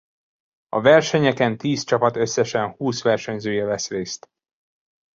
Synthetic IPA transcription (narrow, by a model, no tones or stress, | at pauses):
ɒ̰vɛrʃɛɲɛkɛnt̪iːst͡ʃɒpɒt̪ø̞sːɛʃɛnhuːsʋɛrʃɛɲzøːjɛvɛsreːst̪